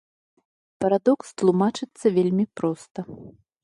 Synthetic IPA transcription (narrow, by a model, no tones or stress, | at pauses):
pɐɾad̪ɔkst̪lˠumat͡ʂɨt̪sːɐvʲelʲmʲipɾɔst̪ɐ